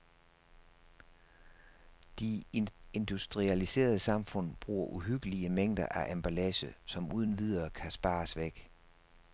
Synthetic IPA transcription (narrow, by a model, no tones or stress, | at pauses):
d̥ie̝nd̥usd̥ʁiælise̝̰ːɐð̞ˠəsɑ̈mfɔ̽n̰b̥ʁṵːɐʔuɦyɡ̥əliəmeŋ̰d̥ɐ̰ʔæʔæmb̥ælɛsəsɒ̽muːð̞ˠn̩ʋið̞ˠɐːkʰæsb̥ɑ̈ːsʋeɡ̥